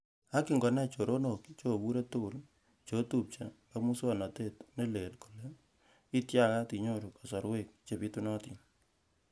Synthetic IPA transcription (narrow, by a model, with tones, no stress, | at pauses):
a˦ki˨ŋɡɔ˨na˦˨t͡ʃo˨ɾo˦no˨kt͡ʃo˦˨bu˦ɾe˦tʊ˦ɡʊ˨l | t͡ʃo˨˦tu˦p̚t͡ʃa˨ | a˨mu˦swa˨nɔ˨te˦˨tne˦le˨lku̥˨le˦ | i˦tja˦˨ka˦ti˨ɲo˦ɾu˨ka˨sɔ˨ɾwe˦˨k̚t͡ʃe˨pi˦tu˦nɔ˦tḭ˨n